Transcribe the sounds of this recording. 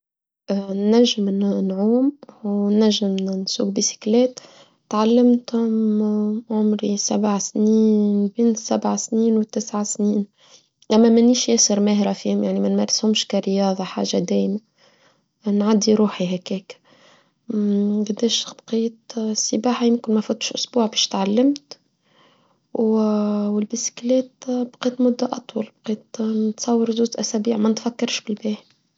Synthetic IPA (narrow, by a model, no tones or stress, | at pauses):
nːæʒːɪmnnʕuːmwnːæʒːɪmnsṵːk̚bisi̥klɛːt̪ː | ʕalːɪmt̪hʊm | ʕʊmɾisabʕasniːnbiːnsabʕasniːnwt̪ːɪsʕasniːn | ʔæmːæmæniːʃjæsəɾmæhɾafiːhʊmjaʕnimænmæɾˤshʊmʃkæɾəjɑːðˤɑħa̰ːʒad̪æːjma | nʕad̪ːiɾuːħiɦækɛːk | ɡd̪ːeːʃb̥qiːt̪sːəbaːħajɪmkɪnmæfuːt̪ʃʔʊsbuːʕbɛːʃt̪ʕalːɪmt̪ | wwɪlbisi̥klɛːt̪bqiːt̪mʊd̪ːæʔɑt̪ˤwɑlbqiːt̪nɪt̪sˤɑwːɑɾˤzuːzʔæsæbiːʕmænɪt̪fækːɑɾˤʃbɪlbæːħ